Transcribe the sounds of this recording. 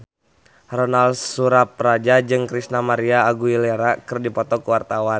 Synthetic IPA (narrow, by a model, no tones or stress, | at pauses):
rɔnalsuɾap̚rad͡ʒad͡ʒɨŋkɾisnamaɾiaːɡuileɾakɨrdipɔt̪ɔkuwart̪awan